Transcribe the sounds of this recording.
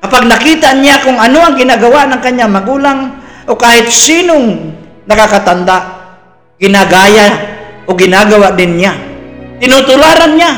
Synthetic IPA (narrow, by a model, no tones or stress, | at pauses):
kɐpaɡ̚nɐkiːt̪aʔɲakʊŋɐnoaŋɡɪnaɡawaʔnaŋkaɲaŋmɐɡuːlaŋʔokaːhɪt̪̚siːnoŋ | nɐkakat̪and̪aʔ | ɡ̥ɪnaɡaːjaoɡɪnaɡawaʔd̪ɪnɲat̪ɪnʊt̪ʊlaːɾanɲa